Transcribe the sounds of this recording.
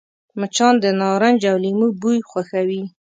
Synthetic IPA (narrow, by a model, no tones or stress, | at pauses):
mət͡ʃɑnd̪ənɑɾand͡ʒawlimubujxwaxawi